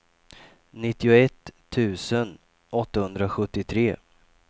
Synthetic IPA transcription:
nɪt̪ːɪʊɛt̪ʰː | ʉ̟ːsən | ʔɔt̪ːahɵnd̪ɾaɧɵt̪ːɪt̪ʰɾeː

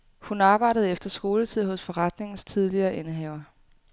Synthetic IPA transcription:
hunɑːb̥ɑ̈ɪ̰ɾ̥əð̞̩ˠefd̥ɐsɡ̥o̝ːlət͡sʰið̞̰ˠɦɔ̽sfɒ̽ʁɑd̥ne̝ŋn̩st͡sʰið̞ˠliɐːʔenəɦɛːʊ̰ɐ

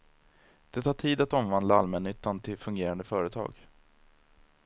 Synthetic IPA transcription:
d̪̥ɛt̪ʰɑːʈʰiːd̪at̪ɔmvand̪laalmɛnʏt̪ːant̪ʰɪlfɵŋɡeːɾand̪əfœːɾət̪ʰɑ̰ːɡ

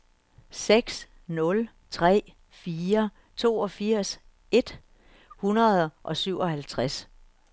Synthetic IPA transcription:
seɡ̥s | nɔ̽l | t͡sʰʁɛ̰ː | fiːɐ | t͡sʰo̝̰ːɒ̽fiɐ̰s | ʔe̝d̥ | hunɐðˠʔɒ̽syʊ̰ɒ̽hælt͡sʰʁas

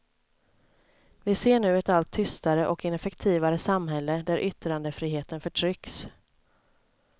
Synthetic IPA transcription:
vɪseːɳʉ̟ːɛt̪alt̪ʰːʏst̪aɾəʔɔkɪnɛfɛkt̪ʰiːvaɾəsamɦɛlːəd̪æɾʔʏt̪ɾand̪əfɾiːɦeːt̪ənfœʈʰɾʏks

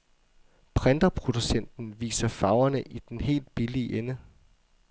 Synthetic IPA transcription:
pʰʁɛnd̥ɐpʰʁo̝d̥usen̰d̥n̩ʋḭːsɐfɑ̈ʊɐnəʔid̥enɦe̝̰ːld̥̚b̥iliəʔenə

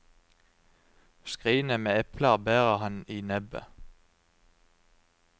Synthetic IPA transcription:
skʁiːnəmeːɛpʰləbeːʁəhɑniːnɛbə̰

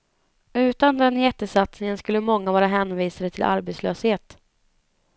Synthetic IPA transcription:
ʉ̟ːt̪and̪ɛnjɛt̪ːəsat̪snɪŋənskɵlːəmɔŋːavɑːɾaɦɛːnviːsad̪ət̪ʰɪlʔa̰ɾbet̪sløːsheːt̪

